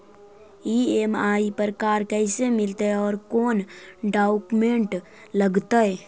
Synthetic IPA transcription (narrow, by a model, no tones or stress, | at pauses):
iːeːmaːipəɾkaːɾkɛːɪsemɪlt̪eɔːɾkoːnɖaːʊkmẽɳʈ | ləɡt̪aɛ